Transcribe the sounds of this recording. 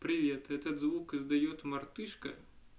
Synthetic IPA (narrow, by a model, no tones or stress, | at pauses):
pɾʲɪʋʲet̪ɛt̪ɐd̪zvukɨzd̪ɐjɔt̪mɐrt̪ɨʂkɐ̰